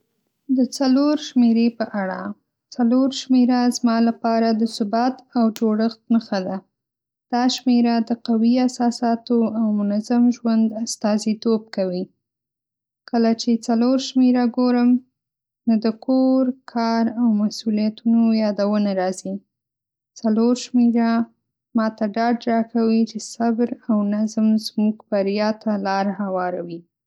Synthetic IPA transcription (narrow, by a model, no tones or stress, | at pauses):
d̪ət͡saloɾʃmeɾepəʔaɽa̰ | t͡saloɾʃmeɾazmɑlapɑɾad̪əsʊbɑt̪awd͡ʒoɽəxt̪̚məxad̪a | d̪̥ɑʃmeɾad̪əqawiasɑsɑt̪oawmʊnazamʒwand̪ast̪ɑzit̪ob̚kawi | kəlat͡ʃet͡saloɾʃmeɾaɡoɾəm | nod̪əkʰoɾkʰɑɾawmasulijat̪unojɑd̪awənaɾɑzi | t͡saloɾʃmeɾa | mɑt̪aɖɑɖ̚ɾɑkawit͡ʃesabɾawnazmzmuɡbaɾjɑt̪ʰalɑɾhawɑɾawi